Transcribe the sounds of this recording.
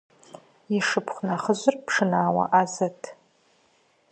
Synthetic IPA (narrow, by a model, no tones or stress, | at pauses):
iʂɨpʰχʷnaχəʑʷɨrpʰʂɨnaːwa̰ʔazatʼʰ